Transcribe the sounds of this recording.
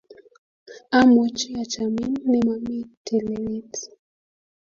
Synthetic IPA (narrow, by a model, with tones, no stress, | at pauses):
a˦mɔ˨t͡ʃi˦a˨t͡ʃami˦nːi˨ma˨mi˦tʰɛ˨lɛɾi˦ti̥